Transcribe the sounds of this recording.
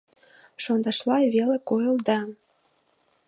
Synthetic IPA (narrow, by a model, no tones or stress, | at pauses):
ʃond̪ɑʃlˠɑβʲelɘ̆kojɤ̆lˠd̪ɑ